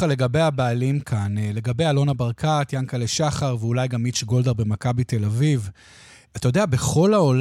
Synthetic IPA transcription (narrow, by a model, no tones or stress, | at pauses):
ale̞ɡabejabaːlimkʰanle̞ɡabejalo̞nabaʁkʰat̪jankaleʃaχaʁveulajɡamit͡ʃɡo̞ld̪eʁbe̞makabite̞laviv | atajodeabe̞χo̞laol